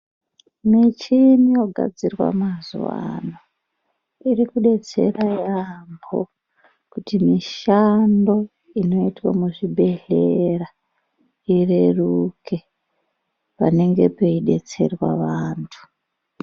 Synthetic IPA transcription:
mit͡ʃinijo̞ɡʱa̰d͡zirwa̰mazuʋa̰no | iɾikuɗe̞t͡se̞̰rajambo̞̰ | kutimiʃando̞ | ino̞itwamuʐibʱe̞ɮera | ire̞rukʰe̞ | pa̰ne̞ŋɡe̞pe̞iɗe̞t͡se̞rwa̰ʋaːntʰu̥

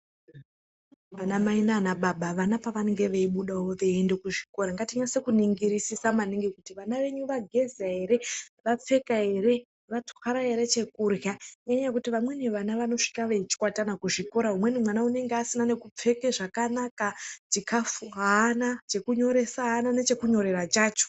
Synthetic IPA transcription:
ʋanamainaːnaɓaɓaʋanapaʋaneŋɡe̞ʋe̞iɓuɗawo̞ʋe̞ende̞kuʐiko̞ɾaŋɡatiɲasekuniŋɡiɾisisamaniŋɡekutiʋanaʋe̞ɲuʋaɡʱe̞zaɦe̞ɾe̞ʋap͡fe̞kaɦe̞ɾe̞ | ʋatxaɾaɦe̞ɾe̞t͡ʃe̞kurjaɲɡaɲaakutiʋamwe̞neʋanaʋano̞ʂi̥kaʋeit͡ʃi̥kwatanakuʐiko̞ɾaɦumwe̞nimwanaune̞ŋɡeasinane̞kup͡fe̞ke̞ʐakanakat͡ʃikafuɦaːnat͡ʃe̞kuɲo̞ɾe̞saɦːnane̞t͡ʃe̞kuɲo̞ɾe̞ɾat͡ʃaːt͡ʃo̥

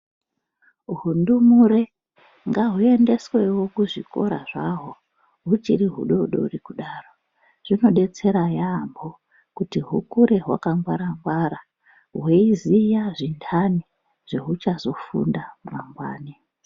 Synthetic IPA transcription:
ɦundumure | ŋɡaɦue̞nde̞swe̞wo̞kuʐiko̞̰ɾa̰ʐaɦo̞ | ɦut͡ʃiɾiɦṵɗo̞uɗo̰urikuɗaːro | ʐ̥ino̞ɗe̞t͡se̞ɾajaːmbo̞ | kutiɦukuɾe̞ɦwa̰kaŋɡwaɾaŋɡwaɾa | ɦweizijaʐintʰani | ʐ̥e̞ɦut͡ʃazo̞fṵndamaŋɡwa̰ːni

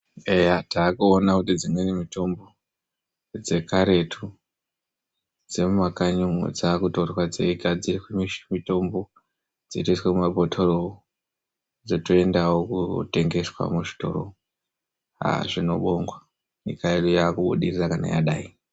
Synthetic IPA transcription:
ejataːkuonakutid͡zimwenimito̞mbo̞ | d͡ze̞kaɾe̞tʰu | d͡ze̞mumakaɲuŋṵd͡zaːkutorwad͡zeikad͡zirikemiʃmito̞mbo̞ | d͡zitoiswemumabʱotʰoro | d͡zotoe̞ndawokute̞ŋɡe̞swa̰muʐi̥to̞̰ɾo̰ | a̰ʐino̞̰ɓoŋɡwa | nikaeɗojaːkuɓṵɗirirakana̰ja̰ɗa̰ːi

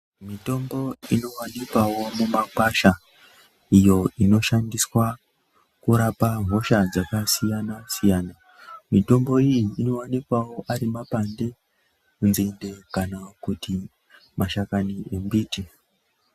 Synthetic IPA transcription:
mito̞mbo̞ino̞wanikwawo̞mumakwaʃa | ijo̞ino̞ʃandiswa | kuɾapam̤o̞ʃad͡zakasijanasijaːna | mito̞mbo̞ijiːno̞wanikwawo̞ʔaɾimapande̞ | kunzende̞kanakuti | maʃakaniembiːti

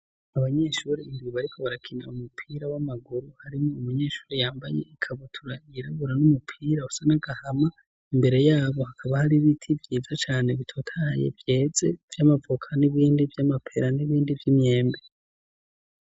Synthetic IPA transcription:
aβaɲe̞ʃuɾiimɡiβaɾikʰoβaɾakʰina̰umupʰiːɾawamaɡuɾuhaɾimŋo̞umuɲe̞ːʃu̥ːɾijaːmba̰jḛikʰaβutʰuɾaiɾaβuɾanumupʰiːɾausanaɡahama | imbe̞ɾe̞jaːβo̞hakʰaβahaɾiβitʰivjiːzat͡ʃaːne̞βitʰo̞tʰajḛvje̞ːze̞v̥jamavokʰaniβiːndivjamapʰe̞ɾaniβiːndivjimɲe̞ːmbe

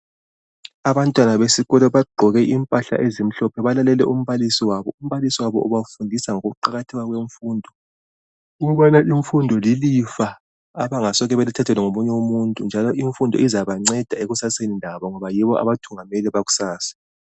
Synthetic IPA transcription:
aβantʼwanaβesiɣɔlɔβaɡ͡ǃʱɔɣɛʔimpʼaɬa̰ʔezim̩ɬɔpʰɛβalalɛlɛ̰ʔum̩βalisiwaβɔum̩βalisiwaβɔʔuβafundʱisaŋoɣuuǃaɣatʰiɣaɣweɱfuːndʱɔ | uɣuβanaʔiɱfundʱɔlilifa | aβaŋasɔɣɛβelitʰatʰɛlɛŋomuɲɛwomuntʼund͡ʒʱalɔʔiɱfundʱɔ̰izaβaŋ͡ǀɛd̥ʱaeɣusaseninʱaβɔŋɔβajiβɔʔa̰βatʰuŋamɛlɛβaɣu̥saːsḁ

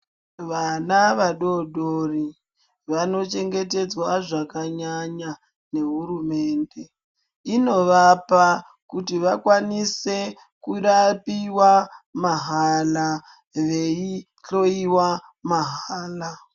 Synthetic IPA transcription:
ʋanaʋaɗo̞ɗori | ʋano̞t͡ʃe̞ŋɡe̞te̞d͡zwaʐakaɲaɲa | ne̞ɦuɾume̞ːnde̞ | ino̞ʋapa | kutiʋakwanise̞ | kuɾapiwamaɦala | ʋe̞i | ɬo̞iwa | maɦaaːla

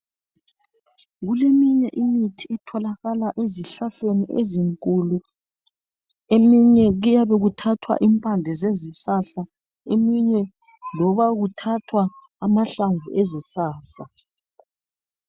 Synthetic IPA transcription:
ɣulemiɲɛʔimitʰiɛtʰɔlaɣalaʔeziɬaɬeniʔḛziŋkʼulu | emiɲɛɣujaβɛɣutʰatʰwa̰ʔimpʼandʱɛzeziɬaɬa | emiɲɛ | lɔβaɣutʰatʰwaː | maɬaɱvuʔezisaːsa

